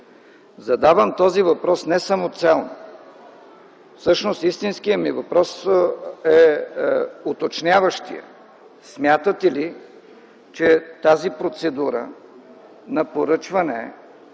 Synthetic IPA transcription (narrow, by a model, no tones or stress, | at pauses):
zɐd̪avəmt̪ɔzivɐpɾɔsnɛsɐmot̪sɛlˠno | fsɤʃnost̪ist̪inskijəmivɐpɾɔs | ɛ | ot̪ot͡ʃnʲavəʃt̪ḭjə̰ | smʲjat̪ət̪ɛli | t͡ʃɛt̪azipɾot̪sɛd̪uɾə̰ | nɐpoɾɤt͡ʃvɐnɛ̰